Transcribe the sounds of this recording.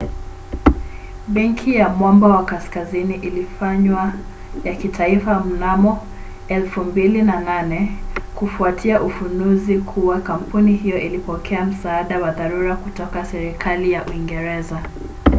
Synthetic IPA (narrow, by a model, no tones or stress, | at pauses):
ɓɛŋkʰijamwɔmbawakaskaziniʔilifaɲwa | jakitʰaifam̩namɔ | ɛlfumbilinananɛkufuatʰiaʔufunuzikʰuwakam̩punihijɔʔilipɔkʰɛam̩saːɗawaðaɾuɾakutɔkasɛɾikʰalijaʔuiŋɡɛɾɛza